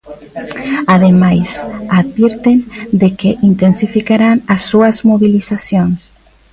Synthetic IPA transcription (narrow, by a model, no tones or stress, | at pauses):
aðemajsaðβiɾt̪end̪ekeʔint̪ensifikaɾanɐsːuɐzmoβilisasjoŋs